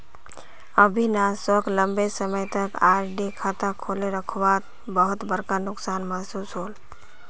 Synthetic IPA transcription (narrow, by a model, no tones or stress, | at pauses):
əbʱinasəklə̃mbesəməjt̪əkaːɾɖekʰat̪akʰoːleɾəkʰwat̪ | bəɦʊt̪bəɾkanʊksaːnmaɦsuːsɦoːl